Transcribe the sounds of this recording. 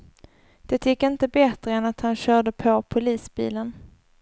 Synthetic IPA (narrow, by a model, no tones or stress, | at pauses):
d̪̥ɛt̪ʰjɪkːɪnt̪əbɛt̪ɾəɛnat̪hanɕœːɖəpʰɔpʰʊliːsbḭːlən